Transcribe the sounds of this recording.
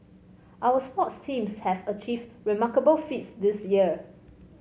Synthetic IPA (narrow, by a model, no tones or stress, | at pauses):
ʔawəspɔtstʰĩmshɛvət͡ʃʰivɹimakəbəlfitsdisjiə